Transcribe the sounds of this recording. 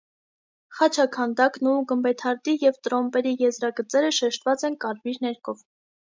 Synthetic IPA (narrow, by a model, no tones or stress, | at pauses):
χɑt͡ʃʰɑkʰɑnd̪ɑknuɡəmbɛt̪ʰɑɾd̪ijɛvt̪ɾɔmpɛɾijɛzɾɑɡət͡sɛɾəʃɛʃt̪vɑt͡sɛnkɑɾviɾnɛɾkʰɔv